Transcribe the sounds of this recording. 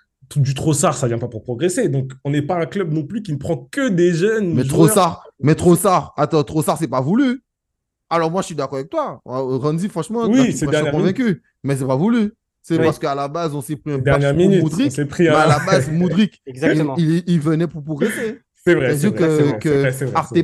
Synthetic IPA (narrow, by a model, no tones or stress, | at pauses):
tud̪yt̪χosaʁsavjɛ̃papuʁpχɔɡʁesed̪ɔ̃kɔ̃nɛpaɛ̃klœb̚nɔ̃plykʲinəpχɑ̃kəd̪eʒœnmɛt̪χosaʁmɛt̪χosaʁat̪ɑ̃t̪χosaʁsɛpavuly | alɔʁmwaʒə̥sid̪akɔʁavɛk̚t̪waʁɑ̃nd̪ifχɑ̃ʃmɑ̃wised̪ɛ̃ɛkɔ̃vɛ̃kʲy | mɛs̬ɛpavuly | sɛpaʁsə̥kəalabazɔ̃sepχĩd̪ɛaʁnjɛʁminnytmud̪ʁiepχimmɛalabazmud̪ʁikɛɡzakilːlvənɛpuʁpχɔɡʁese | sɛvʁɛɛd̪iʁkəkəɛɛaʁt̪e